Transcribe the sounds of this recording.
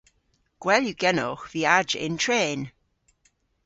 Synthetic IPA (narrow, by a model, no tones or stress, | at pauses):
ɡ̥wɛljuɡɛnɔ̰xv̥iːad͡ʒɪ̰ntʰɹeːn